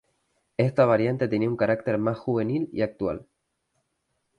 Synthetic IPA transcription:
e̞st̪aβ̞aɾjant̪et̪̬eniuŋkaɾakt̪eɾmasxuβe̞nilḭak̚t̪wa̰l

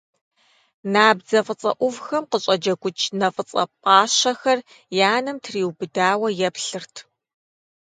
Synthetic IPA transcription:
naːbzɐfʼət͡sʼɐ̰ʔʷʊvxɐmqəɕʼɐd͡ʒɐɡʷʊt͡ʃʰnɐfʼət͡sʼɐ̰pʼaːɕɐxɐr | jaːnɐmtʰriːwbɨdaːwɐjɛpɬɨrtʰ

